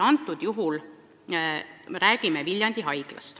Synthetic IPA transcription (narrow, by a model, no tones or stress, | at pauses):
ɑnt̪ːˑud̪̥juɦul | meɾæːɡ̥imevilʲjɑnd̪̥iɦɑjɡ̥lɑ̰st̪